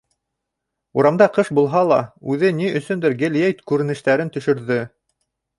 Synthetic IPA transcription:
uɾɑmd̪ɑqɤʃbulˠɦɑlˠɑ̰ʉðɘniɵ̆sɵnd̪ɘɾɡɘ̆lʲjejt̪kʉɾɘ̆nɘ̆ʃt̪æɾɘnt̪ɵ̆ʃɵ̆ɾðɘ

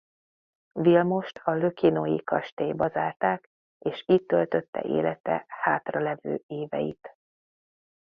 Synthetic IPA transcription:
vilmo̞ʃt̪ʰɒlø̞kinojikɒʃt̪eːbɒzaːrt̪aːk | eːʃiːt̪ːølt̪ø̞t̪ːɛ̰ʔḛːlɛt̪ɛ̰haːt̪rɒlɛvø̰ːeːvɛ̰jḭt̪

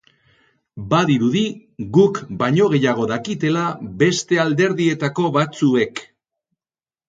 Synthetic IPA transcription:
baðiɾuðiɣukbaɲo̞ɣ̞e̞jaɣ̞o̞ðakit̪e̞labe̞st̪e̞ald̪e̞ɾðie̞t̪ako̞βat͡sue̞k

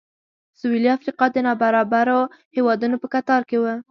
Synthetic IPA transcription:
sueliafɾiqɑd̪ənɑbaɾɑbaɾohewɑd̪unopəkat̪ɑɾkewə

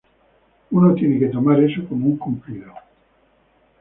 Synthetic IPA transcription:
unot̪jeneked̪omaɾesokomuŋkompit̪o

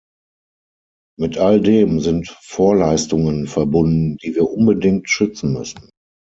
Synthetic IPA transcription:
mɪtʰʔaldeːmzɪntfoːɐlaɪstʊŋənfɛɐbʊndn̩d̥iːviːɐʔʊnbədɪŋtʃʏt͡sn̩mʏ̰sn̩

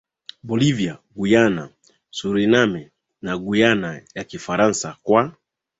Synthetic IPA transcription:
bɔliviaɡujana | suɾinamɛ | naɡujanajakifaɾansakwa

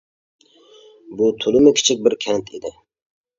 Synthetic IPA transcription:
bʊt̪ʰʊlˠɪmɪkʲʰi̥t͡ʃʰɪk̚ʲbɪɾkʲʰɛnt̪ʰɪd̪ɪ

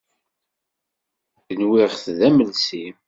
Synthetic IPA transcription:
θənwɪʁθðæməlsim

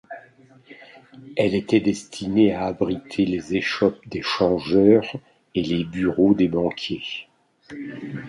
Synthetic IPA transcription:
ɛlet̪ɛd̪ɛst̪ʰineaːbʁit̪ʰelezeʃɔp̚d̪eʃɑ̃ʒœʁ | elebyʁod̪ebɑ̃kʲje

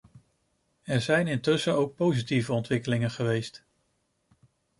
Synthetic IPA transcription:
ɛɹzɛjnɪntɵsəowk̚powzitivəɔntʋɪkəlɪŋənχəʋejst

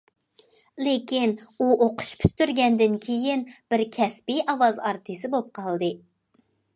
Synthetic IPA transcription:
lekʲinuʔoqʊ̥ʃpʰy̥t̪ːyɾɡʲɛnd̪ɪnkʲʰejinb̥ɪɾkʲʰɛspiʔɑwɑzɑɾt̪ʰɨsɪbop̚qʰɑlˠd̪ɨ

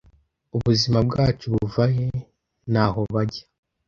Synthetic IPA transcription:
uβuzimabɡaːt͡ʃuβuvaje | naːhoβaɟḁ

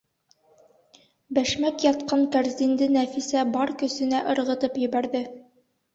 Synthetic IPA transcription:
bæʃmækjɒt̪qɑŋkæɾzʲind̪ɘnæfisæbɒɾkɵ̆sɘ̆næʔɤ̆ɾʁɤ̆t̪ɤpjɘ̆bæɾðɘ

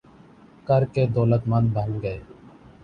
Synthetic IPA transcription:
kəɾkeːd̪ɔːlət̪mən̚bʱə̃ŋɡɡəeː

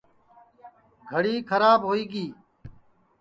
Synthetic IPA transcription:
ɡʱəɽiːkʰəɾaːbɦoːiːɡiː

